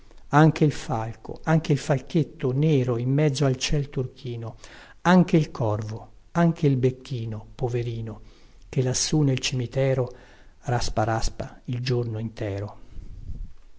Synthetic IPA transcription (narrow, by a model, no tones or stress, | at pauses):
aŋk̟eilfalko̰aŋk̟eilfalk̟et̪ːoneːɾoimːɛd̪zːoalt͡ʃɛlt̪urk̟ʰiːno | aŋk̟eilkʰɔrvo | aŋkʰeilbekʰːiːnopoveɾiːno | k̟elːasːunelt͡ʃimit̪ɛːɾo | raspaɾaspaild͡ʒornoint̪ɛːɾo